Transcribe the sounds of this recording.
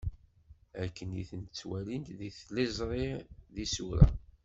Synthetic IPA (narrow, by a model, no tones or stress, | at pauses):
ækːənjiθənt͡sːwælint̪ðiθlɪzˤɾˤɪðisuɾæ̰